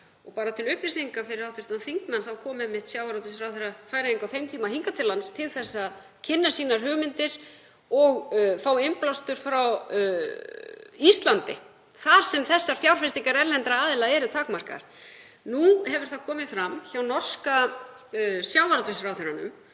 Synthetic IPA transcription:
ɔɣpaːɾat̪ʰɪlʏhpɾɪsiŋkafɪɾɪɾawt̪ʏst̪anθiŋkmanθawkʰɔːmɛmːɪht̪sjawvaɾɔt̪ɪsɾawθʏɾafaːjɾaiŋkawθejmt̪ʰiːmahiŋkat̪ʰɪlanst̪ʰɪlθɛsːað | cʰɪnːasiːnaɾ̥ɦʏːɣmɪnt̪ɪɾ̥ | ɔɣfaːwɪmplawst̪ʏɾ̥fɾaw | ist̪lant̪ɪ̰ | θaɾ̥sɛmθɛsːaɾ̥fjawɾ̥fɪst̪iŋkaɾɛɾlɛnt̪ɾaaːðɪlaɛɾʏt̪ʰaːkmar̥ka̰ɾ̥ | nuhɛvʏɾ̥θaðkʰɔːmɪfɾamːçawnɔr̥ska | sjawvaɾɔt̪ɪsɾawθʏɾanʏ̰m

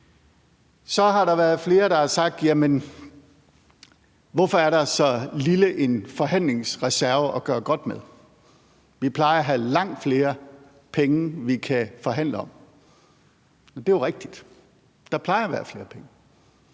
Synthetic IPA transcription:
sɒ̽ɦɑ̈ɾɑ̈ʋæɐð̞̩ˠfle̝ːɐɾ̥ɑ̈hɑsɑ̈ɡ̥̚d̥jæmən | ʋɒfɒ̽æɐɾɑ̈sɒ̽liləʔe̝nfɒ̽ɦæn̰le̝ŋsʁɛsæɐʋəʔɒ̽ɡ̥ɶːɐɡ̥ɒ̽d̥með̞ˠ | ʋipʰlɑ̈ɪɐɒɦælɑ̈ŋ̰d̥fle̝ːɐ | pʰeŋəʋikʰæfɒ̽ɦæn̰ləɒ̽m | d̥e̝joʁeɡ̥̚d̥id̥ | d̥ɑ̈pʰlɑ̈ɪɐʋæːɐfle̝ːɐpʰeŋə

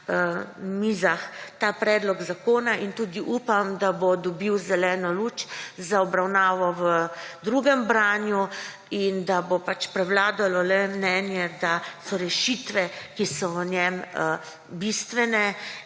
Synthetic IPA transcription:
mizaxt̪aːpɾɛːd̪lɔɡzakoːnaʔint̪uːd̪iʔupamd̪abod̪ɔbiwzɛlɛːnɔluːt͡ʃzaɔbɾawnaːʋɔʋəd̪ɾuɡɛmbɾaːnju | ind̪abopat͡ʃpɾɛwlaːd̪alɔlɛmnɛnjɛd̪asɔɾɛʃit̪ʋɛkisɔʋənjɛm | bist̪ʋɛnɛ

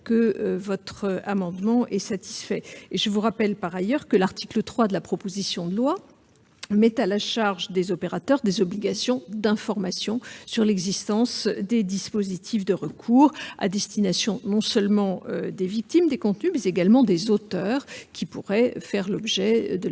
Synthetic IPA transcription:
kəvɔt̪χəamɑ̃d̪mɑ̃ʔɛsat̪ʰi̥sfɛeʒəvuʁapɛlpaʁajœʁkəlaʁt̪ʰi̥klət̪χwad̪əlapχɔpozisjɔ̃d̪əlwa | mɛt̪alaʃaʁʒd̪ezɔpeʁat̪œʁd̪ezɔbliɡasjɔ̃d̪ɛ̃fɔʁmasjɔ̃syʁlɛɡzist̪ɑ̃sd̪ed̪ispozit̪ʰifd̪əʁəkʰuːʁa̰d̪ɛst̪inasjɔ̃nɔ̃sœlmɑ̃ød̪evik̚t̪imd̪ekɔ̃t̪nymɛzeɡalmɑ̃d̪ezot̪œːʁkʲipuʁɛfɛʁlɔbʒɛd̪ə

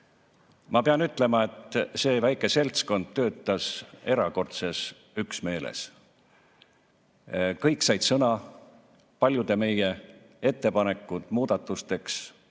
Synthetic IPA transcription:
mɑpeɑnyt̪ːˑle̞mɑe̞t̪ːˑse̞ːvæjkːˑe̞se̞lʲt̪sko̞nd̪̥̚t̪ːø̞ːt̪ˑːɑse̞ɾɑko̞rt̪se̞s | yksme̞ːlḛs | kɤjkˑsɑjd̪̥sɤnɑ | pɑlʲjud̪̥e̞me̞je̞ | e̞t̪ːe̞pɑne̞kːˑut̪ˑmuːd̪̥ɑt̪ːˑust̪e̞ks

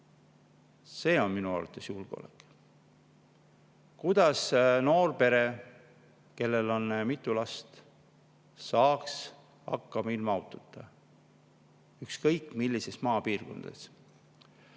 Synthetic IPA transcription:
se̞ːo̞nminuɑ̰rɑt̪ˑːe̞sjulɡ̥eo̰lḛkːˑ | kud̪̥ɑsno̞ːrpe̞ɾe | ke̞lːe̞lo̞nmit̪ːˑulɑst̪ | sɑːks | ɑ̰kːɑmɑilmɑɑwt̪ːˑut̪ːˑɑ | ykskɤjkːˑmilːise̞smɑːpiːrɡ̥o̞̰nd̪̥ɑ̰s

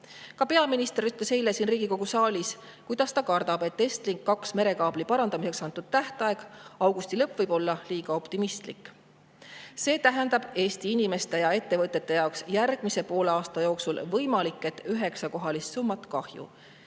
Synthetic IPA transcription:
kɑpe̞ɑminist̪ɾyt̪lese̞jlesiːnriːɡ̥iko̞ɡ̥usɑːlʲis | kujd̪̥ɑst̪ɑkɑrd̪̥ɑb̥e̞t̪ːest̪liŋkːɑksme̞ɾe̞kɑːb̥lipɑɾɑnd̪ɑmise̞ksɑnt̪ːˑud̪̥̚t̪æht̪ɑe̞ɡ̥ɑwɡust̪ilɤpːˑvɤjb̥o̞lːɑliːɡ̥ɑo̞pt̪imist̪likːˑ | se̞ːt̪æɦend̪̥ɑb̥e̞ːst̪iinime̞st̪e̞jɑe̞t̪ːe̞vɤt̪ˑːe̞t̪ːe̞jɑoksjærɡ̥mise̞po̞ːlɑːst̪ɑjo̞ːksulvɤjmɑlikːˑe̞t̪ːˑyɦe̞ksɑko̞ɦɑlist̪sumːɑt̪kɑhjṵ

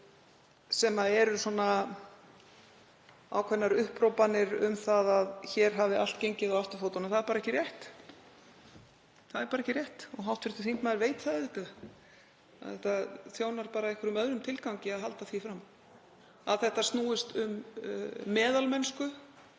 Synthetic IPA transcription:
sɛmaɛɾʏsɔna | a̰wkʰvɛnːaɾʏhpɾowpanɪɾʏmθaðaðçɛɾ̥ɦavɪal̥t̪̚cejɲcɪðawaft̪ʏ̥fowt̪anamθaðɛɾpaːɾɛcːɪɾrjɛht̪ | θaðɛɾpaːɾɛcːɪɾjɛht̪ɔɣɦawht̪fɪɾ̥t̪ɪθiŋt̪maðɾveːjt̪θaðɪhk̪a | ðθɛht̪aθjoːwnaɾpaːɾaihkʰʏɾʏmœðɾʏmt̪ʰɪlkawɲcɪaðɦalt̪aθvifɾam | a̰ðθɛht̪ast̪nuːɪst̪ʏmː | ɛːðalmɛnskʏ

